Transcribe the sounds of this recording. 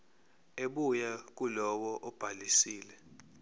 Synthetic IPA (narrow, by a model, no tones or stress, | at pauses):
eɓujak̬ulɔwɔʔɔb̥ʱalisiːlɛ